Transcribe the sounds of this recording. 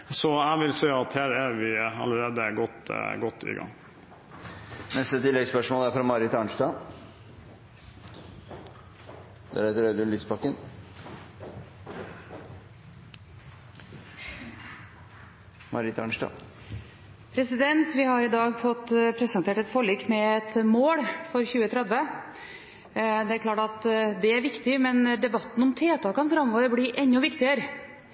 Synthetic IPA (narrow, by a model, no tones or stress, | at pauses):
sɔæʋɪlsɛːɑt̪hæːɾæɾʋɪɑ̰ləɾeːd̪əɡɔt̪ːɡɔt̪ːɪ̰ɡɑ̰ŋː | nɛst̪ət̪ʰɪlːɛɡspœʂmoːlæɾfɾɑmɑɾɪt̪ɑɳʂdɑ | d̪æ̰ɾhɛt̪əɾœd̪ʉnɪt̪spɑkːən | mɑɾɪt̪ʰɑ̰ɳʂʈɑ̰ | pʰɾɛsɪd̪ɛnt̪ʋɪhɑɾɪd̪ɑːɡfɔt̪ːpʰɾɛsɑnt̪ʰeːʈɛt̪fɔɭiːkmɛɛt̪moːɽfɔɾçʉːət̪ʰɾɛd̪ʋə | d̪ɛæɾkʰlɑːʈɑt̪d̪ɛæɾʋɪkt̪ɪmɛnd̪ɛbɑt̪ːn̩ɔmt̪ʰeːt̪ʰɑkɑnfɾɑmoːəɾbɽiːʔɛɲːʊʋɪkt̪ɪəɾ